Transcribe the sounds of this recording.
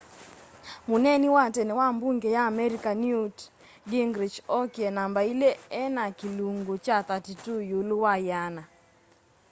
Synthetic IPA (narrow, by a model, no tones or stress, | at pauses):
munɛniwatɛnɛwambuŋɡejaːmɛɾikanjut | ɡɪŋɡɾɪt͡ʃɔkjɛnambaileɛnakiluŋɡot͡ʃat̪atitujuluwajana